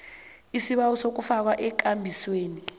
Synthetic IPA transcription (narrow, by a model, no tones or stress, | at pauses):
isiɓawɔsok̬ufak̬waʔɛk̬ʼambʱisweːni